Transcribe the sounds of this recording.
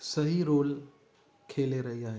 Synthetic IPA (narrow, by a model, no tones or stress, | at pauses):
sɐɦiɾoːl | kʰeːleɾɐɦijaɦɛ